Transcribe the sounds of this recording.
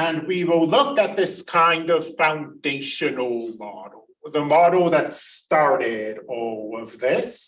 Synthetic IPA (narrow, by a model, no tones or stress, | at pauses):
ə̃nwiwɪlˠlʊkɨt̪̚ðɪskʰãɪ̃ndʌv̥fãʊ̃ndeɪʃɨnl̩ˠmɑ̰ɾl̩ˠðəmɑɾlˠðɨtstɑɹɾɪɾɔlˠʌvðɪs